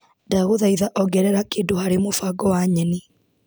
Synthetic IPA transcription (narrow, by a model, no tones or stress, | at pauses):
daɣoðaiðaʔɔɡɛɾɛɾakeːndohaɾemofaɡɔwaɲɛni